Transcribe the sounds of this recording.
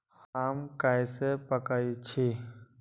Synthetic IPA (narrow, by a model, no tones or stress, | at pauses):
haːmkajsepəkaːit͡ʃʰi